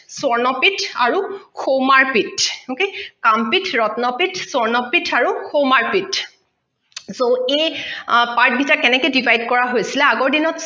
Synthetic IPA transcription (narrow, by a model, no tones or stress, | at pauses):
sɔɹnɔpitaɹuxowmaɹpitokekampitʰɹɔtnɔpitʰsɔɹnɔpitʰaɹuxomaɹpit | soejpaɹt̚bʱitakɛnɛkojdibʱajdkɔɹaɦojsilɛaɡɔɹdinɔt